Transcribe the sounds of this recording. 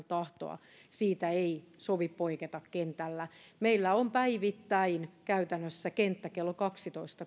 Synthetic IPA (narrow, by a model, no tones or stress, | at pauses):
nt̪ɑht̪o̰ɑ̰ | siːt̪æeisoʋippoiket̪ɑkkent̪ælːæmeilːæompæiʋit̪ːæinkæyt̪ænːøsːækent̪ːækelːokɑksit̪oist̪ɑ